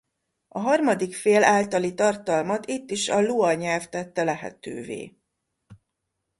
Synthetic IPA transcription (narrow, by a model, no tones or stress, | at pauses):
ɒɦɒrmɒd̪ikfeːlaːlt̪ɒlit̪ɒrt̪ɒlmɒt̪it̪ːiʃɒluɒɲɛlft̪ɛt̪ːɛlɛɦɛ̰t̪ø̰ːvḛː